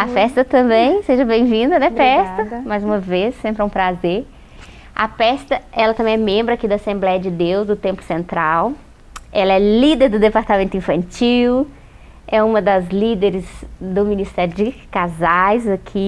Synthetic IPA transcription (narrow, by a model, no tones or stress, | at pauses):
ɐfɛst̪ɐt̪ɐ̃mbẽj̃seʒɐbẽj̃vĩnd̪ɐnɛfɛst̪ɐmajzũmɐvessẽmpɾɪũpɾazeɾ | ɐ̰pɛst̪ɐɛlɐt̪ɐ̃mbẽɛmẽmbɾɐakid̪asẽmblɛjɐd͡ʒɪd̪ewzd̪ʊt̪ẽmplʊ̥sẽnt̪ɾaw | ɛlɐɛlid̪eɾd̪ʊd̪epaɾt̪amẽnt̪ʊĩfɐ̃nt͡ʃiw | ɛũmɐd̪ɐzlid̪eɾɪzd̪ʊminist̪ɛɾjʊd͡ʒɪkazajzɐkʰi